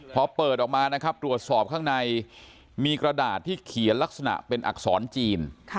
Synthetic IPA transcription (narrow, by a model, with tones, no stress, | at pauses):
pʰɾɔ˦˥pɤː˨˩t̪̚ʔɔː˨˩k̚maː˧na˦˥kʰa˦˥p̚t̪ɾu˨˩ət̪̚sɔː˨˩p̚kʰa˥˩ŋna˧j | miː˧kɾa˧daː˨˩t̪ʰːiː˥˩kʰi˩˦ənla˦˥k̚sa˧na̰˨˩ʔpe˧nʔa̰˨˩k̚sɔː˩˦nt͡ɕiː˧nʰ